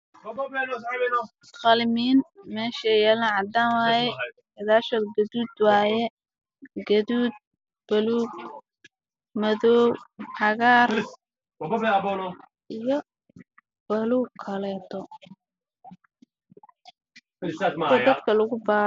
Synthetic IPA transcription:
qɑlmiːnmɛːʃɛjɛːlaʕɑd̪aːnwaːjɛ | ɐðaːʃɔɡɐðuːd̪waːjɛ | ɡɐðuːd̪̚ | b̥ɐluːɡ | mɐðɔːwʕɑɣaːr | ɔbɔbɛɐbɔnɔ | ʔijɔ | b̥ɐluːkʰːɐlɛːt̪ʰɔ | sadmd̪ɐd̪kʰɐlʊɣʊbaː

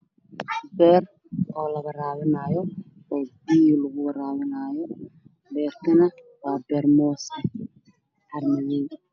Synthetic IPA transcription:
bɛːr | ɔːlɐɣɐraːwɪnaːjɔ | ɔːbiːjlɐɣʊwɐɾaːwɪnaːjɔ | bɛːrkʰɐnɐ | waːbɛːrmɔːsɐ | ħɐrmɐɣɛj

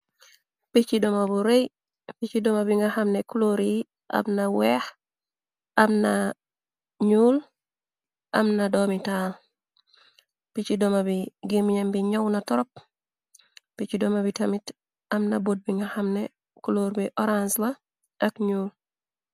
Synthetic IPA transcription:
pit͡ʃidɔmabuɾej | pit͡ʃidɔmabiŋɡaxamnekuloɾi | ʔɐ̰mnawɛh | ɐmna | ɲuːl | ɐ̰mnadɔmitaːl | pit͡ʃidɔmabiɡimiɲembiɲɔwnatɔɾɔp̚ | pit͡ʃidɔmabitɐmit | ɐmnɐbot̚biŋɡahamnɛ | kuloɾbiʔɔɾansba | ɐkɲuːl

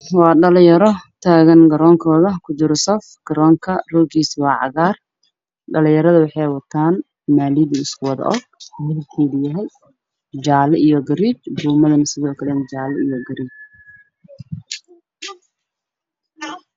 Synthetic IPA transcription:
wɑːɖɐlɪjɐɾɔt̪ʰaːɣɐnɡɐɾɔːŋkʰɔːðɐkʰʊd͡ʒɪɾɔsɔfɡ̥ɐɾɔːŋkʰɐrɔːɡiːswɑːʕɑ̰ɣaːr | ɖɐlɪjɐɾɐðɐwɑħɑjwɐt̪ʰaːn | maːliːðiɪskʰʊwɑðɐ̰ʔɔ̰ɡ̚hɛlk̪ʰɛːðɪjɐɦɛj | d͡ʒaːlɐijɔɡɐɾiːt͡ʃbuːmɐðɐnɐsɪðɔːkʰɐlɛnd͡ʒaːlɛijɔɡɐɾiːt͡ʃ

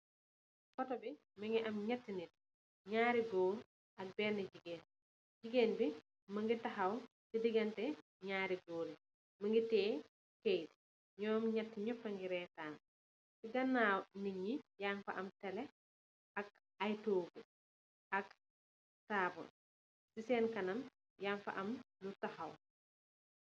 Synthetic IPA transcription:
kɔtɔbi | mɐŋɡiʔɐmɲɐtːinit̚ | ɲaːɾiɡoːɾ | ɐk̚bɛːniɟiɡeːn | ɟiɡeːnbi | mɐŋɡitɐɦɐw | sidiɡɐntɛ | ɲaːɾiɡoːɾi | mɐŋɡitɛː | kejt | ɲɔːmɲɐtːiɲɔpːɐŋɡiɾɛːtaːn | siɡɐnːawniɲijaːŋfɐ̰ʔɐmtɛlɛ | ɐk̚ | ɐjtoːɡu | ʔɐk | taːbɔ̰n | sisɛːnkɐnɐm | jaːŋfɐ̰ʔɐmlutɐxɐw

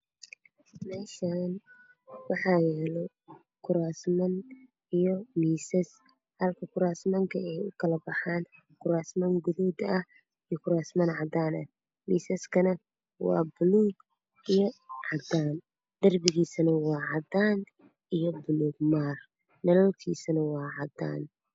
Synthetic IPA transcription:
mɛːʃan | wɑħɑːjɛːlɔ | kʰʊɾaːsmɐn | ijɔmiːsɐs | hɐlkʰɐkʰʊɾaːsmɐŋkʰɐɛjʊkʰɐlɐbɐħaːn | kʰʊɾaːsmɐŋɡʊðɔːd̪ɐh | ijɔkʰʊɾaːsmɐnʕɑd̪aːnɐ̰h | miːsɐskʰɐnɐ | wɑ̰ːbʊluːɡ | ijɔʕɑd̪aːn | d̪̥ɐrbɪɣiːsɐnɐwɑːʕɑd̪aːn | ijɔbʊluːɡ̚maːr | nɐlɔːt̪ʰḭːsɐnɐwɑːʕɑd̪a̰ːn

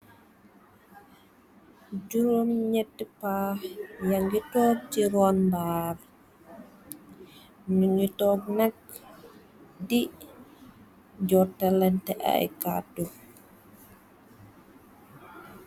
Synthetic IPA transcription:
d͡ʒuɾomɲɛtːɛpahjaŋɡitɔːɡ̚d͡ʒiɾɔnbaːr | nuŋɡitɔɡ̚nak̚ | di | d͡ʒɔtːalɛntɛʔa̰jka̰tu

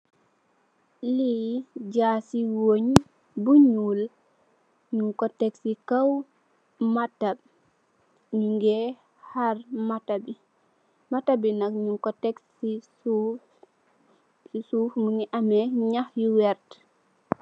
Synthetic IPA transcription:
liɟaːsiwoɲ | buɲuːl | ɲuŋkɔtɛksikaw | matab̚ | ɲuŋɡɛ | haɾmatabi | matabinakɲuŋkɔtɛksi | u | sisuːfmuŋiʔamɛɲahjuwɛɾt

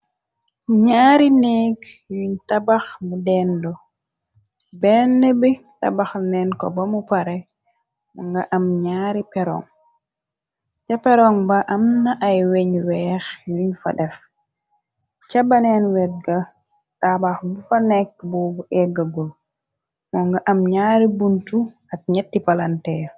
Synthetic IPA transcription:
ɲaːɾinɛɡjuɲtabaxmudɛndɔ | bɛnːɛbi | ta̰baxnɛnkɔbamupaɾɛ | muŋɡaʔamɲaːɾipɛɾɔ̰ŋ | t͡ʃapɛɾɔŋbaʔamnaʔajweɲwɛːxjuɲfa̰ɗɛf | t͡ʃabanɛnwɛt̚ɡa | ɗabaxbufanɛkːbɔːbuʔɛɡaɡul | mɔŋɡaʔamɲaːɾibuntu | ak̚ɲɛtːipalantɛːɾ

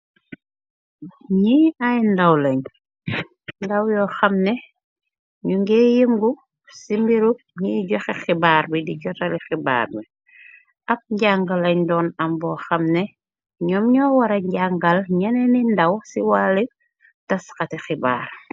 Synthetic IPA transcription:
ɲiːɐjndɐwlɐɲ | ndɐwjɔːxɐmnɛ | ɲuŋɡɛːjəŋɡu | simbiɾuk̚ɲiːɟɔxɛxibaːɾbidiɟɔtɐlixiba̰ːrbi | ʔɐp̚ɲɟaŋɡɐlɐɲdɔːnɐmbɔːxɐmnɛ | ɲɔmɲɔːwɐɾɐɲɟaŋɡɐlɲɐnɛnindɐwsiwali | tɐskɐtɛxiba̰ːr

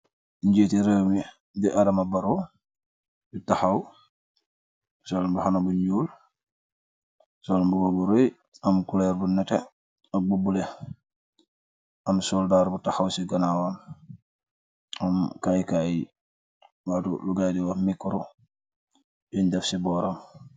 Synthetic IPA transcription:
ɲɟitiɾeːmi | diʔadɐmabɐɾo | butaxaw | sɔlbuhanabuɲuːl | sɔlbuɡɔbuɾoj | ɐmkulɛɾbunɛtɛ | ɐbubulɛ | ɐmsɔːldaːɾbutaxawsiɡɐnawan | ɐmkajkaːji | waːtṵluɡajdiwamikːɔɾu | jundɛfsibɔːɾam

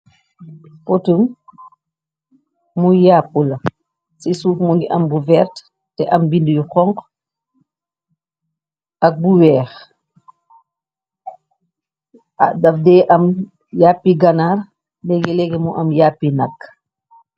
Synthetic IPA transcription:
potum | mujaːpːulɐ | sisuːfmuŋɡiʔɐmbuvɛɾt | tɛʔɐmbindujuxɔŋq | ʔɐk̚buwɛːx | adɐfdɛːʔɐm | jaːpːiɡɐnaːr | dɛɡɛlɛɡɛmuʔɐmjaːpːinɐkː

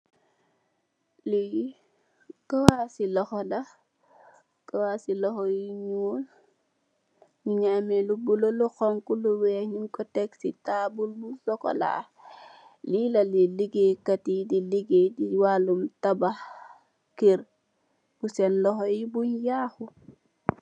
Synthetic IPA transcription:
li | kawasilɔxɔla | kawasiloxojiɲul | ɲiɲamelubuloluxoŋkuluweɲinkoteksitabulbusoko̰la̰ | lilaliliɡekatidiliɡediwalumtabah | kiɾ | b̥usenlɔxojibuɲjahu

